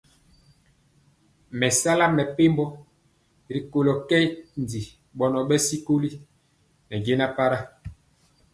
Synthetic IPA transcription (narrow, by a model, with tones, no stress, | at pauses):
mɛ˨sa˦la˦mɛ˨pe˦mbɔ˦ | ɾi˨ko˨lo˨kɛ˦n˨di˨ | ɓɔ˨nɔ˨ɓɛ˦si˦ko˦li˦ | nɛ˨ɡe˦na˦pa˦ɾa˦